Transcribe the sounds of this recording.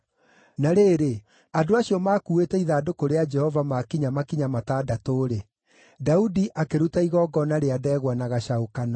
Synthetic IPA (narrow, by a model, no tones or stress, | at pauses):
naɾeːɾe | adoaɕiɔmaːkuetɛiðaːdokoɾead͡ʒɛhɔvamakiɲamakiɲamataːdatoːɾe | daudiʔakeɾutaiɣɔɡɔnaɾeadɛːɣwanaɣaʃaokana